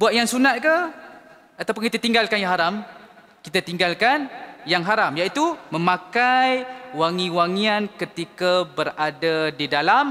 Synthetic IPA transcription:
buat̪̚jaŋsunat̪̚ka | at̪awp̬ʊnkit̪at̪iŋɡalkanjaŋɦaɾam | kit̪at̪iŋɡalkanjaŋɦaɾamjait̪umə̃mãkajwaŋĩwaŋiankət̪ikabəɾadadidalam

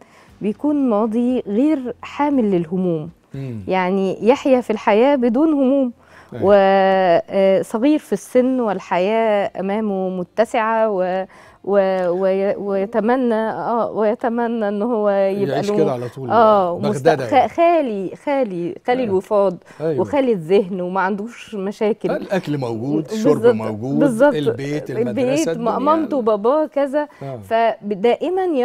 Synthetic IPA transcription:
bɪjkuːnmɑːd̪ˤiɣeːɾħaːmɪlːɪlɦʊmuːm | jaʕnijaħjæfilħajæːbɪd̪uːnhʊmuːm | wɪ | sˤɑɣiːɾfisːɪnːwɪlħajæːʔæ̰mæːmomʊt̪ːæsɪʕawe | wewewejæt̪æmænːæʔæːwejæt̪æmænːæʔenːhowːæjebʔæloːlˤuːʔæːwmmost̪xæxæːlixæːlixæːlilwefɑːd̪ˤ | wexæːlizeɦnwemæʕand̪uːʃmæʃæːkelʔækɡud̪bezˤːɑbɡuːbezˤːɑb̪beelbeːt̪mæʔɑmɑmt̪wbɑbɑːkæzæfæd̪æːʔɪmænj

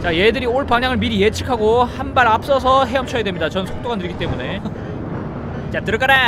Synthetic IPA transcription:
t͡ɕaje̞dɯɾioɭpaŋɲaŋɯɭmiɾije̞t͡ɕʰi̥kʰaɡohanbaɾap̚s͈ʌsʰʌɦe̞ʌmt͡ɕʰʌjadwemɲidat͡ɕʌnɯnsʰok̚t͈oɡanɯɾiɡit͈e̞mune̞ | t͡ɕat͈ɯɾʌk͈aɾa

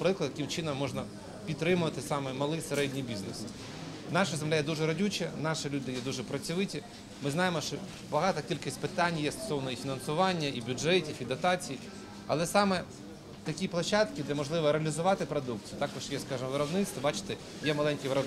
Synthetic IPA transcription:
pɾɪklˠɐd̪j̪ɐkɪmt͡ʃɪnɔmːɔʒnɐ | pʲid̪ɾɪmʊʋɐt̪ɪsɑmɛmɐlˠɪseɾɛdʲnʲijbʲiznḛs | nɑʃɐzemlʲajɛd̪uʒɛɾɐdʲut͡ʃɛnɑʃɪlʲud̪ɪjɛd̪uʒɛpɾɐt͡sʲiʋɪtʲi | mɪznɑjemɔʃt͡ʃɔ | bɐɦɑt̪ɐkʲilʲkɪsʲtʲpɪt̪ɑnʲjɛst̪ɔ̥sɔʋnɔifʲinɐnsʊʋɑnʲːɐibʲʊʐɛtʲifid̪ɐt̪ɑt͡sʲiji | ɐ̰lˠɛsɑmɛ | t̪ɐkʲiplˠɐʃɑt̪kɪd̪ɛmɔʒlˠɪʋɔɾeɐlʲizʊʋɑt̪ɪpɾɔd̪ukt͡sʲijʊt̪ɑkɔʃjɛskɑʒɪmɔʋɪɾɔbnɪt̪st̪ʋɔbɑt͡ʃɪ̥t̪ɛ | jɛmɐlˠɛnʲkʲijʋɪɾɔb

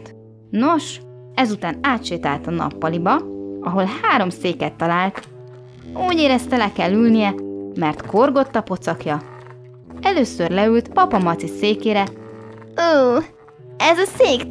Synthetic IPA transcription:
no̞ʃ | ɛzut̪aːnaːt̪ʃeːt̪a̰ːlt̪ɒnɒ̰pːɒlibɒɒɦo̞lɦaːɾo̞mseːkɛt̪ːɒlaːlt̪ | uːɟeːɾɛst̪ɛlɛkɛlːylnijɛmɛrt̪ko̞rɡo̞t̪ːɒpo̞t̪sɒkjɒ | ɛløːsørlɛylt̪pɒpɒmɒt̪siseːkeːɾɛ | uː | ɛzɒseːk

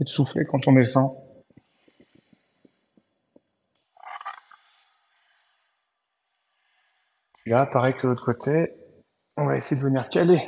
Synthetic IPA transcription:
ed̪əsuflekɑ̃t̪ɔ̃d̪esɑ̃ | tilapaʁɛkd̪əlot̪χəkot̪ʰe | ɔ̃vaesejed̪əvəniʁkʲale

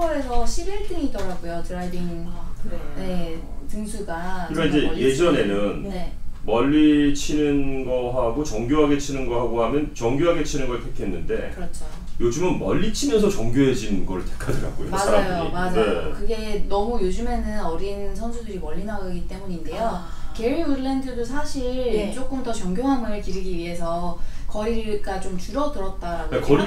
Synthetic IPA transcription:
ʌɾesʰʌɕʰibiɭt͈ɯŋid͈ʌɾaɡojotɯɾaɭdiinkɯɾene̞ | tuŋsʰuɡaɯɾmeid͡ʑe̞je̞d͡ʑʌne̞nɯnne̞mʌʎːit͡ɕʰinɯnɡʌɦaɡot͡ɕʌŋɡjoɦaɡe̞t͡ɕʰinɯnɡʌɦaɡoɦamjʌnt͡ɕʌŋɡjoɦaɡe̞t͡ɕʰinɯnɡʌɭtʰekʰe̞nːɯnde̞ɯʌt͡ɕʰo | jod͡ʑɯmɯnmʌʎːit͡ɕʰimjʌns̬ʰʌt͡ɕʌŋɡjoɦe̞d͡ʑinɡʌɾɯɭtʰekʰadɯɾa̰ɡ͈o̰jo̰mad͡ʑajomad͡ʑaokɯɡe̞nʌmujod͡ʑume̞nɯnʌɾinsʰʌnsʰudɯɾimʌʎːinaɡaɡit͈e̞muɲinde̞jo | ke̞ɥiuɾɭendɯdosʰaɕʰiɭt͡ɕ͈ok͈ʰɯmtʌt͡ɕʌŋɡʲjoɦanɡʌɾɯɭkiɾɯɡiɥiɦe̞sʰʌkʌɾik͈at͡ɕomt͡ɕuɾʌdɯɾʌt̚t͈aɾaɡokʌ

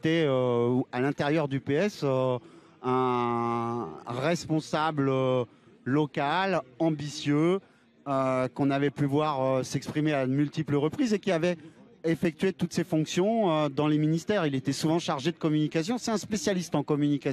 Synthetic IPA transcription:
t̪ɛøalɛ̃t̪eʁjœʁd̪ypeɛsø | ɛ̃ | ʁɛspɔ̃sablø | lɔkalɑ̃bisjø | økɔ̃navɛpyvwaʁøsɛkspχimeaəmylt̪ipləʁəpχizekʲiavɛ | efɛk̚t̪ɥet̪ut̪sefɔ̃ksjɔ̃ød̪ɑ̃leminist̪ɛʁilet̪ɛsuvɑ̃ʃaʁʒed̪əkɔmynikʲasjɔ̃sɛt̪ɛ̃spesjalist̪ɑ̃kɔmynikʲã

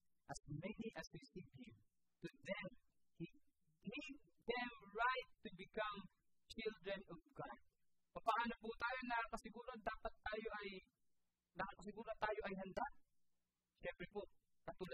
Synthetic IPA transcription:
ʔɐsmɛniʔɐspisiɡɪl | t̪ʊðɛm | hi | nid | d̪ɛmɹajt̪ːʊbɪkam | t͡ʃɪld̪ɹɛnɔvɡad̪̚ | pɐpɐʔʔaːnopʊt̪aːjonɐakɐsɪɡuːɾod̪aːpat̪ːaːjoʔɐj | nɐkakɐsɪɡuːɾot̪aːjoʔɐjɦɐnd̪a | ʃɛmpɾɛpo | kɐt̪ʊl

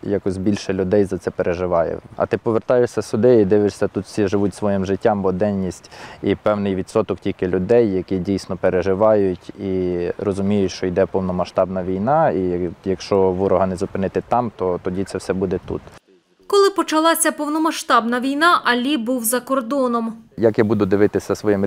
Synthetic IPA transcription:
jɑkɔsʲbʲilʲʃɛlʲʊd̪ɛjzɐt̪sɛpeɾʔeʒɪʋɑjɛ̰ɐ̰t̪ɪpɔʋert̪ɑjɪʃsʲɐsʊd̪ɪid̪ɪʋɪʂsʲɐt̪ut̪wsʲiʒɪʋutʲsʋɔjimʒɪtʲːambɔd̪ɛnʲːisʲtʲipɛwnɪjʋʲit̪sɔt̪ɔktʲilʲkɪlʲʊd̪ɛjːɐkidʲijsʲnɔpeɾeʒɪʋɑjʊtʲirɔzʊmʲijʊtʲʃt͡ʃɔjd̪ɛpɔwnɔmɐʃt̪ɑbnɐʋʲijnɑijɐkʃt͡ʃɔʋuɾɔɦɐnɛzʊpɪnɪt̪ɪt̪ɑmt̪ɔt̪ɔdʲit̪sɛwsɛbud̪ɛt̪ṵt̪ | kɔlˠɪpɔt͡ʃɐlˠɑsʲɐpɔwnɔmɐʃt̪ɑbnɐʋʲijnɑʔɐlʲibuwzɐkɔrd̪ɔnɔmjɐkjabud̪ʊd̪ɪʋɪt̪ɪsʲɐsʋɔjim

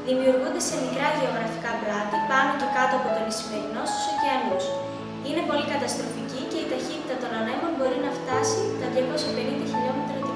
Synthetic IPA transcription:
ðimiuɾɣund̪e̞se̞mikɾɐʝeo̞ɣɾɐfi̥kɐplɐt̪ɐpɐnoce̞kɐt̪o̞ɐpo̞t̪o̞nisime̞ɾino̞si̥soceemus | ine̞po̞likɐt̪ɐst̪ɾo̞ficice̞it̪ɐçit̪it̪ɐt̪o̞nɐnemo̞nbo̞ɾinɐft̪ɐsit̪ɐðʝɐko̞sjɐpe̞nind̪ɐçiʎomet̪ɾot̪i

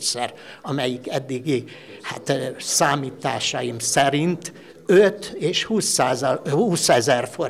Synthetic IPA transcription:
sɛr | ɒmɛjikɛd̪ːiɡi | ha̰t̪saːmiːt̪aːʃɒjimsɛɾint̪ | øt̪eːʃhuːsːaːzhuːsɛzɛrfo

